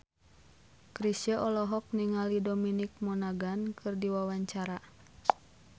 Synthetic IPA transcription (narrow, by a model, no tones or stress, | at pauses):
kɾisaʔɔlɔɦɔk̚niŋalidɔminik̚mɔnaɡankʰɨrdiwawaɲt͡ʃaɾa